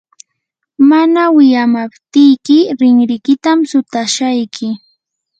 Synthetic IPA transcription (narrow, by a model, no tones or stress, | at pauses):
manawɪjamapt̪ɪjkɪɾɪŋɾɪkɪt̪amsʊt̪aʃajkʰɪ